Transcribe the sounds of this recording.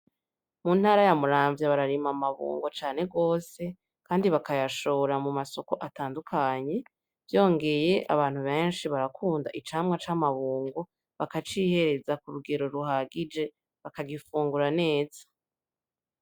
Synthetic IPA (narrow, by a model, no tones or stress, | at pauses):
mun̥haːɾajamuɾaːɱvjaβaɾaɾimamaβṵːŋɡo̞t͡ʃaːne̞ɡo̞ːse̞ | kaːndiβakajaʃo̞ːɾamumaso̞ko̞ʔataːndukʰaɲe̞ | vjo̞ːŋɡe̞je̞ʔa̰βaːn̥huβe̞ːnʃiβaɾakʰuːndaʔit͡ʃaːmŋat͡ʃaːmaβuːŋɡo̞ | βakat͡ʃiːhe̞ɾe̞zakuɾuɡe̞ɾo̞ɾuɦaɡid͡ʒe̞ | βakaɡifuːŋɡuɾane̞ːz̥ḁ